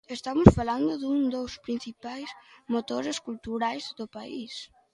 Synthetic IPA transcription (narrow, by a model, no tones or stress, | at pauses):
est̪amʊsfaland̪ʊðuŋd̪owspɾin̟θipajsmot̪oɾeskult̪uɾajzd̪opaḭs